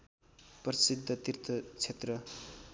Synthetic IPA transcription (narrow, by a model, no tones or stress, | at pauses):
prʌsid̪ʱːʌt̪irt̪ʰʌt͡sʰet̪rʌ